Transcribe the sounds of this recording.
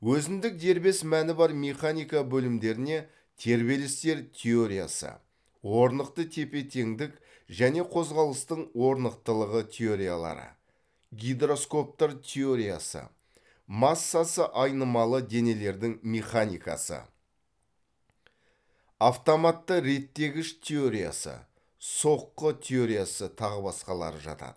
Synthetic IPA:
wɵzɪnd̪ɪk̚d̪e̞ɾbe̞smænɪbɑɾmʲeχanijkabɵlɪmd̪e̞ɾɪne̞ | t̪ʰe̞ɾbe̞lɪst̪e̞ɾt̪ʲʰe̞o̞ɾija̰sə̰ | wo̞ɾnəqt̪ət̪ʰe̞pe̞t̪ʰe̞ŋd̪ɪk | ʒæne̞qʰo̞zʁɑlˠəst̪əɴwo̞ɾnəq̚t̪əlˠəʁət̪ʲʰe̞o̞ɾija̰lˠɑ̰ɾə̰ | ɡʲijd̪ɾo̞sko̞p̚t̪əɾt̪ʲʰe̞o̞ɾija̰sə̰ | masːasəʔɑjnəmɑlˠəd̪e̞ne̞le̞ɾd̪ɪŋme̞χanʲijkɑ̰sə̰ | aft̪o̞mat̪ːəɾe̞t̪ːe̞ɡʲɪʃt̪ʲʰe̞o̞ɾija̰sə̰ | so̞qːət̪ʲʰeo̞ɾijasət̪ʰɑʁəbɑsqɑlˠɑ̰ɾəʒɑ̰t̪ɑ̰d̪ə

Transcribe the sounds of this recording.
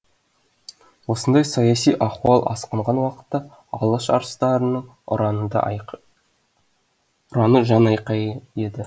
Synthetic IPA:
wo̞sənd̪ɑjsɑjɑsijʔɑχuɑlˠʔɑ̰sqəɴʁɑnwɑqə̥t̪ːɑ | ɑlˠəʃɑ̰ɾəst̪ɑɾənəɴ | d̪̰ | ʊɾɑnəʒɑnɑjqɑjed̪ɪ

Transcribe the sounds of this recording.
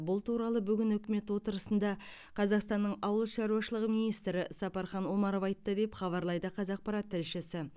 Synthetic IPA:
bʊlˠt̪ʰuɾɑlˠəbʏɡʲɪnɵkʲɪme̞t̪wo̞t̪əɾəsənd̪ɑ | qʰɑzɑqst̪ɑnːəɴɑwəlˠʃɑɾuwɑʃəlˠəʁəmijnijst̪ɾɪsɑpɑɾχɑnwo̞mɑɾo̞vɑjt̪̚t̪ːəd̪e̞pχɑβɑɾlˠɑjd̪əqʰɑzɑq̚pɑɾɑt̪ʰːɪlʃɪsɪ

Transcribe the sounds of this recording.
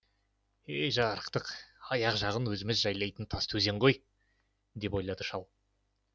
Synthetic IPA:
ejʒɑɾəqt̪əqɑjɑqʒɑʁənwɵzɪmɪzʒɑjlˠɑjt̪ənt̪ʰɑst̪ʰɵze̞ɴʁo̞j | d̪e̞po̞jlˠɑd̪əʃɑlˠ

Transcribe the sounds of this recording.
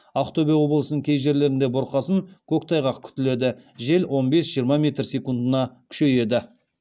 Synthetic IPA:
aft̪o̞bʲijɑwo̞blˠəsənəŋkʲʰe̞jʒe̞ɾle̞ɾɪnd̪e̞bʊɾqɑsəŋkʲʰɵkt̪ʰɑjʁɑqkʲʰʏ̥t̪ɪle̞d̪ɪʒe̞lwʔo̞nbe̞sʒijəɾmɑmʲe̞t̪rsʲekund̪ənɑkʲʰʏ̥ʃe̞je̞d̪ɪ

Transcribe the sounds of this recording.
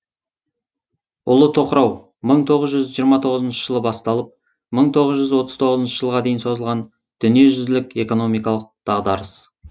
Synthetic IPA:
ʊ̰lˠət̪ʰo̞qəɾɑw | məɴt̪ʰo̞ʁəzʒʏzʒijəɾmɑt̪ʰo̞ʁəzənʃə̥ʒəlˠəbɑst̪ɑlˠəp̚ | məɴt̪ʰo̞ʁəzʒʏzwo̞t̪əzt̪ʰo̞ʁəzənʃəʒəlˠʁɑd̪e̞jɪnso̞zəlˠʁɑn | d̪̥ʏnije̞ʒʏzlɪke̞ko̞no̞mijkɑlˠəq̚d̪̥ɑʁd̪ɑɾəs

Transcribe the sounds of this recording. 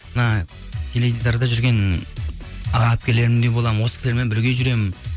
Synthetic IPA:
ənɑ | kʲʰeled̪id̪ɑɾd̪ɑʒʏɾɡʲe̞n | ɑʁɑp̚kʲele̞ɾɪmd̪ejbo̞lˠɑmənwosə̥kʲʰɪsʲeɾmenbɪɾɡʲeʒʏɾe̞mɪn

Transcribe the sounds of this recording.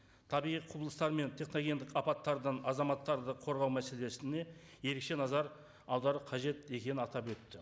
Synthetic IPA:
t̪ʰɑbiʁijqʰubəlˠəst̪ɑɾme̞nt̪ʰe̞χno̞ɡʲe̞nd̪ɪkɑpɑt̪ːɑɾd̪əɴɑzɑmɑt̪ːɑɾd̪əqʰo̞ɾʁɑwmæse̞le̞sɪne̞ | je̞ɾe̞kʃe̞nɑzɑɾ | ɑwd̪ɑɾəqʰɑʒe̞t̪e̞kʲe̞nɪnɑt̪ɑpwɵt̪ːɪ

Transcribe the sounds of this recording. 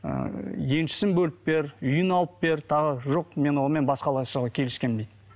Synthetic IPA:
ə̰je̞nʃɪ̥sɪnbɵlɪp̚be̞ɾʏjɪnɑlˠəp̚be̞ɾt̪ʰɑʁəʒo̞qme̞nwo̞nəme̞nbɑsqɑlˠɑsəʁɑkʲʰe̞lɪskʲe̞nbejd̪

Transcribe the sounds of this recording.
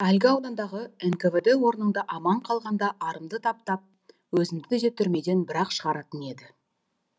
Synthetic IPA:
ælɡʲɪɑwd̪ɑnd̪ɑʁəenkeved̪e̞wo̞ɾnənd̪ɑʔɑmɑɴqʰɑlˠʁɑnd̪ɑʔɑɾəmd̪ət̪ʰɑp̚t̪ɑp̚ | wɵzɪmd̪ɪt̪ʰʏze̞t̪ːʏɾme̞d̪e̞nbɪɾɑqʃəʁɑɾɑt̪əne̞d̪ɪ

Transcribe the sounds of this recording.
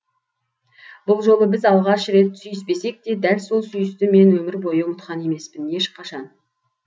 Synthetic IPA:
b̥ʊlˠʒo̞lˠəbɪzɑlˠʁɑʃɾe̞t̪sʏjɪspe̞se̞k̚d̪e̞d̪ælso̞lˠsʏjɪst̪ɪme̞nwɵmɪɾbo̞jəʊmət̪qɑne̞me̞spɪne̞ʃqʰɑʃɑn

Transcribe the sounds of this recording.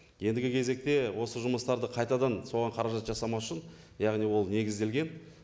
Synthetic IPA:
je̞nd̪ɪɡʲɪkʲʰeze̞k̚t̪e̞wo̞səʒʊməst̪ɑɾd̪əqʰɑjt̪ɑd̪ɑnso̞ʁɑɴqʰɑɾɑʒɑt̪ʒɑsɑmɑʃɪn | jɑʁnijwo̞lˠne̞ɡʲɪzd̪e̞lɡʲe̞n

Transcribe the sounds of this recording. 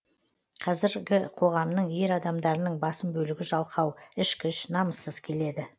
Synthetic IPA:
qʰɑzɪɾɡʲɪqʰo̞ʁɑmnəɴje̞ɾɑd̪ɑmd̪ɑɾənəɴbɑsəmbɵlɪɡʲɪʒɑlˠqɑwɪʃkʲʰɪʃnɑməsːəzkʲʰe̞le̞d̪ɪ

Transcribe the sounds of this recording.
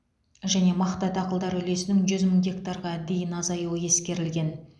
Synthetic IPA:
ʒæne̞mɑχt̪ɑt̪ɑqəlˠd̪ɑɾɵle̞sɪnɪŋʒʏzməɴɡʲe̞kt̪ɑɾʁɑd̪e̞jɪnɑzɑjuwəje̞skʲe̞ɾɪlɡʲe̞n

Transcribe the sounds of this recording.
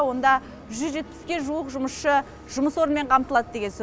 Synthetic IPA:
wo̞nd̪ɑ | ʒʏzʒe̞t̪̚pɪ̥skʲe̞ʒuwəqʒʊməsʃə | ʒ̥ʊməswo̞ɾənmeɴqʰɑmt̪əlˠɑd̪əd̪e̞ɡʲens

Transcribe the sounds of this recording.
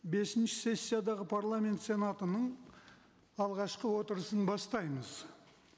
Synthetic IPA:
be̞sɪnʃɪ̥se̞sʲːijad̪ɑʁəpʰaɾlˠamʲe̞nt̪se̞nat̪ənəɴ | ɑlˠʁɑʃqəwo̞t̪əɾəsənbɑst̪ɑjməz

